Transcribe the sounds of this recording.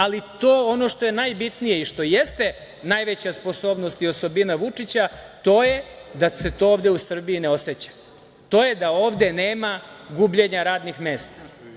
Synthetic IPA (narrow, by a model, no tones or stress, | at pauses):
alit̪oːo̞no̞ʃt̪o̞je̞najbit̪nije̞iʃt̪o̞jest̪e̞ | najʋet͡ɕaspo̞so̞ːbno̞st̪io̞so̞binaʋut͡ʂit͡ɕat̪o̞ːje̞d̪ase̞t̪o̞oʋd̪e̞usr̩biineo̞set͡ɕḁ | t̪o̞ːje̞d̪ao̞ːʋd̪e̞ne̞ːmaɡubʎe̞ɲaɾaːd̪nixme̞ːst̪ḁ